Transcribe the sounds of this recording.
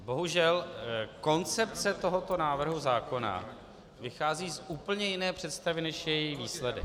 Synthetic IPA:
bo̞ɦuʒɛlko̞nt͡sɛp̚t͡sɛt̪o̞ɦo̞t̪o̞naːvr̩ɦuzaːko̞na̰ | vɪxaːziːsʔuːpl̩ɲɛjɪnɛːpr̝̥ɛt̪st̪avɪnɛʃjɛjɪxviːslɛdɪ̰

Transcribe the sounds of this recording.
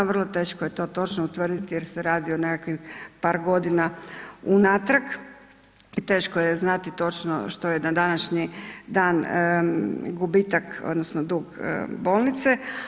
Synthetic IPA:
ʋr̩lˠo̞t̪e̞ːʃkoje̞t̪o̞ːt̪o̞t͡ʃnout̪ʋr̩d̪it̪ijeɾseɾaːd̪ione̞kakʋixpaːɾɡo̞d̪inaunat̪ɾak | it̪eːʃkojeznat̪it̪o̞t͡ʃno̰ʃt̪ojed̪ad̪anaʃɲid̪aːn | ɡubit̪ako̰d̪nosnod̪uːɡ̰bo̞ːlˠnit̪se

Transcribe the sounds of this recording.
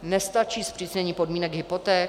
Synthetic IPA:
nɛst̪at͡ʃiːspr̥isɲɛɲiːpo̞dmiːnɛɡɦɪpot̪ɛː

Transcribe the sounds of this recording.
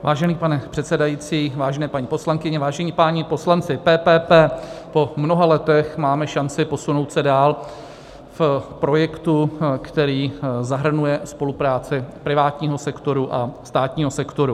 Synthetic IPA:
vaːʒɛniːpanɛpr̝̥ɛt̪sɛdajiːt͡siːvaːʒɛnɛːpaɲiːpo̞slaŋkɪɲɛvaːʒɛɲipaːɲɪpo̞slant͡sɪpɛːpɛːpɛːpo̞mno̞ɦalɛt̪ɛxmaːmɛʃant͡sɪpo̞sunowt̪sɛdaːl | fpɾo̞jɛkt̪ukt̪ɛɾiːzaɦr̩nujɛspo̞lupɾaːt͡sɪpɾɪvaːt̪ɲiːɦo̞sɛkt̪o̞ɾuʔast̪aːt̪ɲiːɦo̞sɛkt̪o̞ɾu

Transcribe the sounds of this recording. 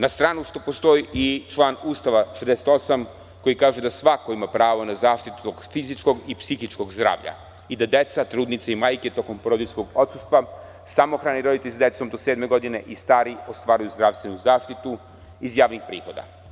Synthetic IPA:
nast̪ɾaːnuʃt̪opo̞st̪o̞iʔit͡ʃlˠaːnuːst̪aʋaʃed̪eset̪o̞sam | ko̞jikaːʒed̪asʋakoimapɾaːʋonazaːʃt̪it̪u̥t̪okfizit͡ʃko̞ɡipsixit͡ʃko̞ɡzd̪ɾa̰ːʋʎa̰ | id̪ad̪et̪sat̪ɾuːd̪nit̪saimaːjke̞t̪o̞ko̞mpoɾod̪iskoɡo̞t̪sust̪ʋa | samoxɾaːniɾo̞d̪it̪eʎʲsd̪e̞t̪so̞md̪o̞seːd̪me̞ɡo̞d̪ine̞ʔist̪aːɾiost̪ʋaːɾujuzd̪ɾaʋst̪ʋenuzaːʃt̪it̪u | izjaːʋnixpɾḭːxo̞d̪a̰

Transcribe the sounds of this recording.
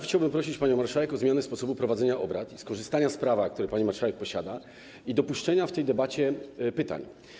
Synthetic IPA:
xt͡ɕawbɘmpɾɔɕ̬it͡ɕpaɲɔ̃w̃maɾʂawɛkɔzmʲjanɛspɔsɔbupɾɔvad̪zɛɲaʔɔbɾat̪iskɔʐɘst̪aɲaspɾavak̚t̪uɾɛpaɲimaɾʂawɛk̚pɔɕad̪a | id̪ɔpuʂt͡ʂɛɲaft̪ɛjd̪ɛbat͡ɕɛpɘt̪a̰ɲ

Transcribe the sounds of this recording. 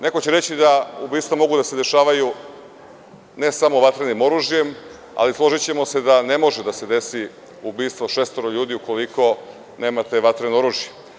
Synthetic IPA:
ne̞ko̞t͡ɕe̞ɾe̞t͡ɕid̪aubiːst̪ʋamo̞ɡud̪ase̞d̪e̞ʃaːʋaju | ne̞samo̞ʋat̪ɾenimo̞ɾuːʒje̞m | a̰lislˠo̞ʒit͡ɕe̞mo̞se̞d̪ane̞mo̞ʒed̪ase̞d̪e̞si | ubiːst̪ʋoʃest̪oɾoʎuːd̪iukoliko̞ | ne̞ːmat̪e̞ʋat̪ɾeno̞ɾuːʒije

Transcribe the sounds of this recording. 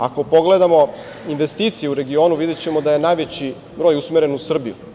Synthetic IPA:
a̰ko̞po̞ɡle̞d̪amo̞ | inʋe̞st̪iːt̪sijeuɾe̞ɡioːnuʋid̪et͡ɕe̞mo̞d̪aje̞najʋe̞t͡ɕi | bɾo̞ːjusmeɾe̞nusr̩bijṵ

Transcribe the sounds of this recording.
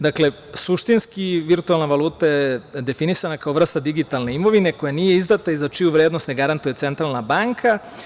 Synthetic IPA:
d̪akle̞ | suʃt̪inskiʋiɾt̪ualˠnaʋalˠuːt̪ajed̪e̞finisanakaoʋr̩st̪ad̪iɡit̪alne̞imo̞ʋine̞ko̞janiːje̞izd̪at̪aizat͡ʃijuʋɾeːd̪nost̪neɡaɾant̪uje̞t̪se̞nt̪ɾalˠnabaŋkʰa

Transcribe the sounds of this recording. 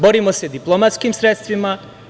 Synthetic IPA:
boɾimosed̪iplˠomat̪skimsɾet̪st̪ʋima

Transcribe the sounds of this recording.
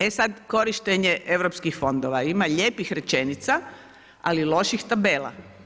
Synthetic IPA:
esad̪ko̞ɾiʃt̪eɲe̞ʔe̞ʋɾo̞pskixfo̞nd̪oʋaimaʎeːpixɾe̞t͡ʃe̞nit̪sa | alilo̞ʃixt̪abe̞ːla̰

